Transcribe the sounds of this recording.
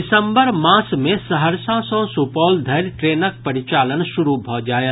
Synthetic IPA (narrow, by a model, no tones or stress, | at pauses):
ɪsə̃mbəɾmãːsmẽsɐɦəɾsãːsɔ̃ːsupɔːld̪ʱɐɾʈɾeːnək̚pɐɾɪt͡ʃaːlənʃʊɾubʱɔɦd͡ʒaːja